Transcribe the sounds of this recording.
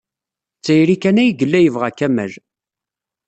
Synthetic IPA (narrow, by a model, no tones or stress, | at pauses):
t͡sːæjɾikænæjɡəlːæjəvʁækːæmæ̰l